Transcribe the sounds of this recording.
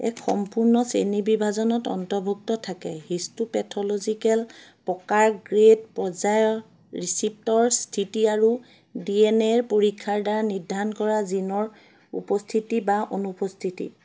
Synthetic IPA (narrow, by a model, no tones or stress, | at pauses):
ɛ̰kxɔ̰mpuɹnɔsenibibʱazɔnɔtɔ̰ntɔbʱuk̚tɔtʰakɛɦistupɛtʰɔlozikɛl | pɔkaɹɡɹedpɔzajɔ | ɹisip̚tɔɹstʰitiaɹu | diɛnɛɹpoɹikʰːaɹdaɹanidʱankɔɹazinɔɹ | ṵpɔstʰitibaʔonupɔstʰitḭ